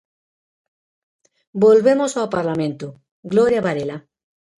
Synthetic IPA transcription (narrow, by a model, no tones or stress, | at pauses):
bolβemosawpaɾlamẽnt̪o | ɡloɾjaβaɾela